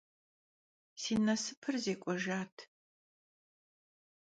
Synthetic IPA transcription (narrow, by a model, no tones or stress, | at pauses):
siːnɐsɨpʰɨrzeːkʷʼɔʒaːtʰ